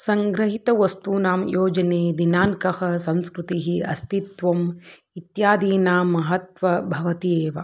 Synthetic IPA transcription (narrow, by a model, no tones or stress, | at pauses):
sɐŋɡɾɐɦit̪ɐʋɐst̪unaːmjoːd͡ʒɐneːd̪inaːŋkɐhɐsɐ̃nskɾut̪iɦiɐst̪it̪ʋɐm | it̪jaːd̪iːnaːmɐɦɐt̪ʋɐbʱɐʋɐt̪ijeːʋɐ̰